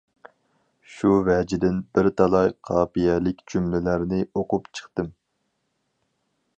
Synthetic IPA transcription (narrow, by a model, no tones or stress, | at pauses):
ʃuvɛd͡ʒɪd̪ɪnbɪɾt̪ʰɑlˠɑjqʰɑːpijɛlɪkʲd͡ʒumlɪlæɾnɪoqʊpt͡ʃʰə̥χt̪ɨm